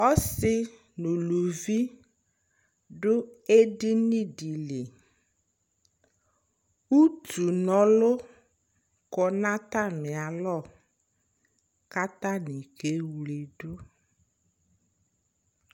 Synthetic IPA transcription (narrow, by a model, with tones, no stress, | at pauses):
ɔ˦sɪ˦ | no˨lo˨vi˦ | ɖʊ˦e˦dɪ˦nĩ˦di˨le˨ | u˦tu˨nɔ˨lʊ˦ | kɔ˨nã˦t̪a˦nɪ˨a˨lɔ˦˨ | ka˦t̪a˦ni˨ke˨˦wle˨ɖʊ˦